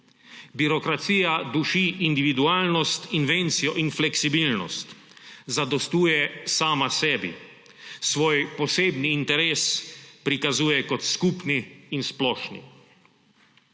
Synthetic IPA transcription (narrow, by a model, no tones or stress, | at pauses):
biɾɔkɾat̪siːjad̪uʃiʔːnd̪iʋid̪uaːlnɔst̪inʋent̪sijɔʔinflɛksibilnɔ̰st̪ | zad̪ɔst̪uːjɛsaːmasɛːbḭ | sʋoːjpɔseːbniːnt̪ɛɾeːspɾikazuːjɛkɔt̪skuːpniːnsplɔːʃnḭ